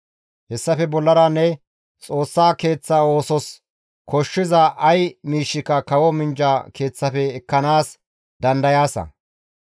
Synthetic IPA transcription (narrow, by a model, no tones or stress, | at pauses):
hɛsːɐfɛbɔlːɐɾanːɛ | t͡sʼo̞ːsːaːke̞ːt͡sːao̞ːsɔs | kʰɔʃːɪzɐʔɐjmiːʃːɪkɐkɐwɔmɪnd͡ʒaːkʰe̞ːt͡sːɐfɛːkːɐnaːs | d̪ɐnd̪ɐjaːsɐ̰